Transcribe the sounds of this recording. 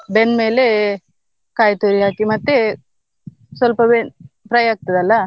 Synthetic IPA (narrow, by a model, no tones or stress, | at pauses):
benmeːle | kaːjt̪uːɾiɦaːkimɐt̪ːe | sʋɐlpɐbe | pɾɐjaːɡ̚t̪ɐd̪ɐlːɐ